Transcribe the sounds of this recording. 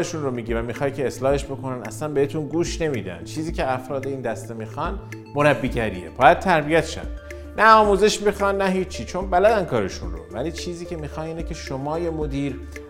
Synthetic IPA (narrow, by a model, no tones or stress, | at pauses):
ɾeʃunromiːɟiːvæmiːxɒːjcʰe̞ːslɒːhe̞ʃbo̞ko̞nænæ̰slænbeet̪ʰunɡuːʃne̞miːd̪æ̰n̥t͡ʃʰiːziːcʰeæfɾɒːd̪eiːnd̪æst̪emiːxɒn | moɾæbːiːɟæɾḭeb̥ɒːjæd̪̥̚t̪ʰæɾbijæt̪ʃæ̰n | næɒːmuːze̞ʃmiːxɒnːæɦiːt͡ʃʰːiːt͡ʃʰo̞nbælæd̪ænkʰɒːɾe̞ʃṵnro̰væliːt͡ʃʰiːziːcʰe̞miːxɒniːnecʲʰe̞ʃomɒːjemod̪iːɾ